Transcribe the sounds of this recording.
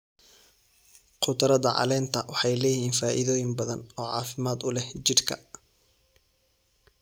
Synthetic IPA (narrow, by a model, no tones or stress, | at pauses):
qʰʊd̪ɐɾɐðɐʕɑ̰lɛːnt̪ʰɐwɑħɑjlɛːjhiːnfaːʔɪðɔːjɪŋbɐðɐnɔːʕɑ̰ːfɪmaːd̪ʊlɛht͡ʃɪrkʰɐ̰